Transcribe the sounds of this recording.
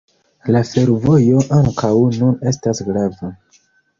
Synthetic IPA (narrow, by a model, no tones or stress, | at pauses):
lafe̞ɾvo̞jo̞ʔaŋkawnune̞stasɡɾava